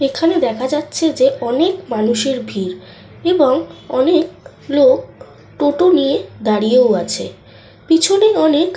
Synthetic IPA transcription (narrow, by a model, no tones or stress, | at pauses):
ekʰaned̪ɛkʰad͡ʑatːɕʰed͡ʑeʔɔnekmanuʃeɾbʱiɾ | eboŋɔnek̚ | lok̚ | ʈoʈonijed̪aɽijeoat͡ɕʰḛ | pit͡ɕʰoneɔnek